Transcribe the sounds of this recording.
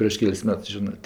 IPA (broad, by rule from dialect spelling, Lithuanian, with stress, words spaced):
pʲrʲiɛʃ ˈkʲɛlˠs ˈmʲɛts ˈʒʲɪnɜ